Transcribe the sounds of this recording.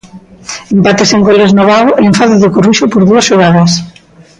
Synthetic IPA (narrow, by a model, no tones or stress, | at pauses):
empat̪eseŋɡoleznoβaðoʔeeɱfaðeðokoruʃopoɾðuɐsʃoɣaðɐs